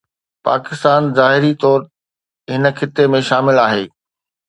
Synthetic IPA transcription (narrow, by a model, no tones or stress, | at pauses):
pa̰ːkɪst̪aːnzaːɦɪɾit̪ɔːɾ | ɦɪnə̆kʰɪt̪emẽʃaːmɪlaːɦeː